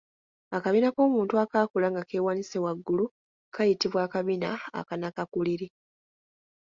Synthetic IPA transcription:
akaβinako̞ːmuːntuakaːkulaŋɡake̞ːwanisewaɡːulu | kʰajitiβwaːkaβinaa̰kanakakuliɾi

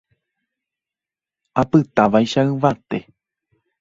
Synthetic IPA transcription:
apɨt̪aʋajʃaɨʋat̪e̞

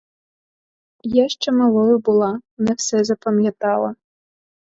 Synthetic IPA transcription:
jaʂt͡ʂɛmalˠɔjʊbulˠanɛwsɛzɐpɐmʲjat̪alˠɐ

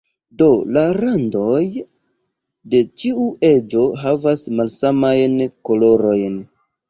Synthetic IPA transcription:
do̞laɾando̞j | de̞t͡ʃiuʔe̞d͡ʒo̞ɦavasmalsamajnko̞lo̞ɾo̞jn

